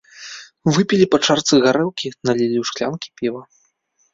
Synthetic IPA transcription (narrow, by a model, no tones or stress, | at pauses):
vɨpʲilʲipat͡ʂart̪sɨɣaɾɛwkʲinɐlʲilʲiwʂklʲankʲi̥pʲivɐ